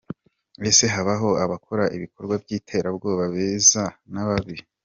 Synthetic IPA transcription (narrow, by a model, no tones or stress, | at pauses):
ese̞ɦaβaɦo̞aβakoɾaʔiβiko̞ɾɡwabjiːtʰe̞ːɾabɡo̞ːβaβeːzanaβaβi